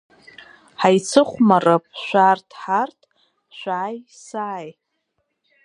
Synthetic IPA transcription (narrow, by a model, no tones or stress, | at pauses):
ħajt͡sʰɨχʷmarap̚ʼʃʷartʰħartʰʼ | ʃʷaːjsaj